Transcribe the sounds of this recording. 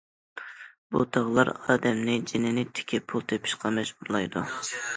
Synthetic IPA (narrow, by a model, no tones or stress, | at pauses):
b̥ṵt̪ʰɑʁlˠɑ̰ɾɑːd̪ɛmnɪd͡ʒinɪnɪt̪ʰɪ̥kʲʰipʰulˠt̪ʰepʰɪ̥ʃqʰɑmɛʒuɾlˠɑjd̪ṵ